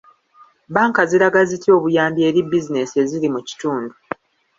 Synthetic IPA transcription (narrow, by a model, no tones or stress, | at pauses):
baːŋkaziɾaɡazitio̞ːβujaːmbie̞ɾibːizine̞sie̞zilimuci̥tuːndu